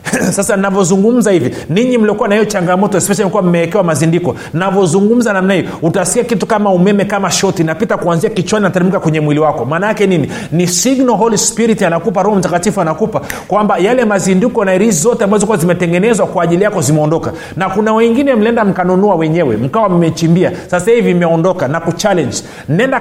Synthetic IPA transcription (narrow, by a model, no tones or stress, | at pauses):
sasannavjɔzuŋɡum̩zahivɔ | niɲim̩liɔkuwanahijɔt͡ʃaŋɡamɔtɔɛspɛʃalikuwam̩mɛɛkɛwamazindikɔ | nnavɔzuŋɡum̩zanamnahijɔhutaskiakitukamaumɛmɛkamaʃɔtinapitakuanziakit͡ʃwaninataɾimikakwɛɲɛmwiliwakɔmaːnaakɛnini | nisiɡnɔɦɔlispiɾitianakup̬aɾɔhɔm̩takatifuanakupakwambajalɛmazindikɔnaiɾizizɔtɛambazɔkuwazimɛtɛŋɡɛnɛzwakwaːʄilijakɔzimɛɔndɔka | nakunawɛŋɡinɛm̩lɛndam̩kanunuawɛɲɛwɛ̰m̩kawam̩mɛt͡ʃimbiasasahivimɛɔndɔkanakut͡ʃalɛɲd͡ʒ | m̩nɛnda